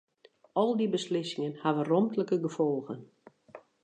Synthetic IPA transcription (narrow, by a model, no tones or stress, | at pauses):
ɔlˠdibəslɪsɪŋənhaʋərɔmtləkəɡəfɔlˠɣən